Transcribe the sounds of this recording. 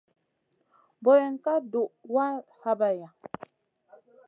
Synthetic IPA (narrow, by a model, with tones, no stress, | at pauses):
bɔ˨jɛ˨ŋ˦ka˦do˨ʔwa˦ha˦ba˦ja˨